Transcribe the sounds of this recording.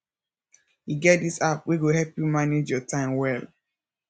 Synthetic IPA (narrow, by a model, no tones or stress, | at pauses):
jiɡɛt̚disapwiɡohɛlpjumaned͡ʒjɔtʰãɪ̃mwɛl